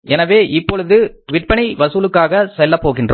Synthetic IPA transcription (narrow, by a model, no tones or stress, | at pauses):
ɛnɐʋeːʔɪpːɔɻɯðɯʋɪʈ̚pɐɳiʋɐsuːlɯkːaːɣɐsɛlːɐpːoːɣɪndrɯ